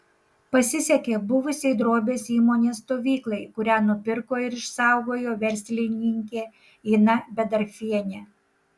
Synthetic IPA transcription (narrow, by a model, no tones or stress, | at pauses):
pɐsʲɪsʲɛkʲeːbʊʋʊsʲɛɪd̪ɾoːbʲeːsiːmoːnʲeːst̪oːʋʲiːklˠɐɪkʊɾʲæːnʊpʲɪɾkoːɪɾɪʃsɑˑʊɡoːjoːʋʲɛɾʲsʲlʲɪnʲɪŋʲkʲeː | inɐbʲɛd̪ɐɾʲfʲiɛnʲe